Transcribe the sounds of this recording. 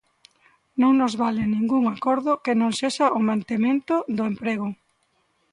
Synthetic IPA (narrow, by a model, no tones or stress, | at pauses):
nõŋnozβalɪnĩŋɡuŋakɔɾðʊkɪnõŋseʃaʔʊmãnt̪emẽnt̪ʊðʊempɾeɣʊ